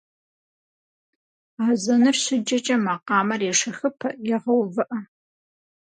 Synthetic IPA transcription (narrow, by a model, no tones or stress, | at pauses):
aːzɐnɨfɕɪd͡ʒɐt͡ʃʼɐmɐqɑːmɐrjɛʂɐxɨpʰɐjɛʁɐwvɨʔɐ